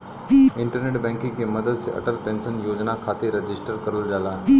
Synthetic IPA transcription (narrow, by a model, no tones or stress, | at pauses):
ɪɳʈəɾneʈbɛ̃ŋkĩŋkeməd̪əd̪seʔə̰ʈəlpẽnsənjod͡ʑnakʰat̪eɾɐd͡ʑɪsʈəɾkəɾəld͡zala